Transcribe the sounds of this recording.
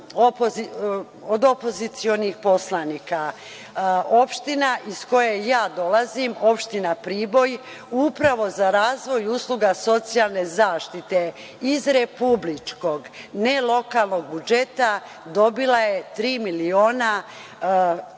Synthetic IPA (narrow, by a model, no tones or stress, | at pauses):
opoi | od̪o̞po̞zit̪sio̞nixpo̞slˠaniːka | o̞pʃt̪inaʔisko̞jejaːd̪o̞lazimo̞pʃt̪inapɾiːbo̞j | upɾaʋo̞zaɾaːzʋo̞juːsluɡaso̞t̪sijalˠne̞zaːʃt̪it̪e | izɾepublit͡ʃko̞ɡnelˠo̞kalˠno̞ɡ̚bud͡ʒe̞t̪a | d̪o̞bilaje̞t̪ɾiːmilio̞ːna